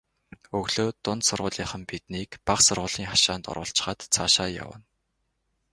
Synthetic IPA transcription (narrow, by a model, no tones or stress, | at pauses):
ɵɣɮoːt̪ʊnt̪sʊrʁʊːɮiːχə̆mpit̪niːkpaχsʊrʁʊːɮiːŋχaʃaːnt̪ɔ̰ɾʊ̰ːɬt͡ɕ̆χaːt̪t͡sʰaːʃaːja̰wə̰̆n